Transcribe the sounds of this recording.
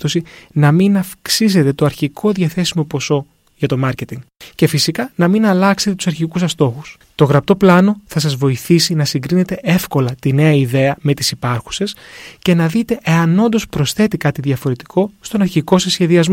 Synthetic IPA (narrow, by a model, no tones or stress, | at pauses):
t̪osinɐminɐfksis̬e̞t̪e̞t̪o̞ɐɾçikʰo̞ðʝɐθe̞simo̞po̞so̞ | ʝɐt̪o̞mɐɾce̞t̪iŋɡ | ce̞fisikɐnɐminɐlɐkse̞t̪et̪u̥sɐɾçikusɐst̪o̞xus | t̪o̞ɣɾɐp̚t̪o̞plɐno̞θɐsɐzvo̞iθisinɐsiŋɡɾine̞t̪e̞ʔe̞fko̞lɐt̪ine̞ɐiðe̞ɐme̞t̪i̥sipɐɾxu̥se̞sce̞nɐðit̪e̞ʔeɐno̞nd̪o̞spɾo̞sθe̞t̪ikɐt̪iðʝɐfo̞ɾe̞t̪i̥kʰo̞st̪o̞nɐɾçiko̞sɐsçe̞ðiɐzmo